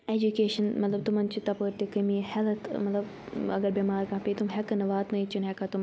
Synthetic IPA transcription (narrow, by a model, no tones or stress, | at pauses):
ed͡ʒukeːʃɐnmɐt̪lɐb̚t̪umɐnt͡ʃʰit̪ɐpəɾt̪ikɐmihɛlɐt̪mɐt̪lɐb | ɐ̰ɡɐɾbʲimaːɾkaɦpit̪umɦɛkɐnɐʋaːt̪nɐit͡ʃʰunɦɛkɐt̪um